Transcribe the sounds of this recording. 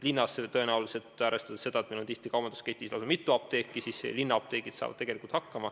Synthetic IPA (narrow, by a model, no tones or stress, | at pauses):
linːɑset̪ɤe̞næulise̞lt̪ˑæːɾest̪ɑd̪̥e̥se̞d̪̥ɑet̪melont̪iht̪ikɑwbɑnd̪̥usket̪ːˑislɑsemit̪ːˑuɑp̚t̪e̞ːkːˑisiːsḛlinːɑp̚t̪e̞ːɡ̥id̪̥sɑ̰ːvɑd̪t̪e̞ɡ̥e̞likult̪hɑkːɑmɑ